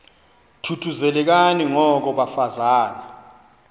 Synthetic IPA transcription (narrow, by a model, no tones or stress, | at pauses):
tʰutʰuzɛlɛk̬aniŋɔk̬ɔɓafazaːna